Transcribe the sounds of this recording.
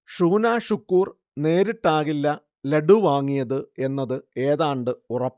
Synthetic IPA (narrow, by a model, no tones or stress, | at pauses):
ʂuːnaːɕukːuːr | ne̞ːɾiʈːaːɣilːɐ | leɽuʋaːŋːijɐðɨe̞nːɐðɨe̞ːðaːɳɖɨurɐpː